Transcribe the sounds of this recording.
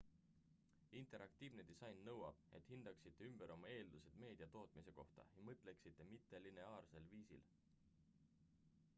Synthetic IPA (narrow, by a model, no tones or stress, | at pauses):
int̪e̞ɾʔɑkt̪iːvne̞d̪̥isɑjnːɤwɑ̰b̥e̞̰t̪hind̪̥ɑksit̪ːeymb̥eɾʔo̞mɑe̞ːld̪̥use̞d̪me̞ːd̪̥iɑt̪o̞ːt̪mise̞ko̞̰ht̪ɑ̰jɑmɤt̪ˑle̞ksit̪ːe̞mit̪ːe̞line̞ɑːrse̞lviːsḭl